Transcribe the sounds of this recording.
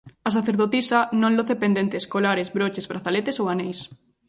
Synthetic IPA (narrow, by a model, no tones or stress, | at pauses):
ɐs̬aθeɾðot̪isanõŋloθepend̪ent̪eːskolaɾezbɾot͡ʃezβɾaθalet̪esowanejs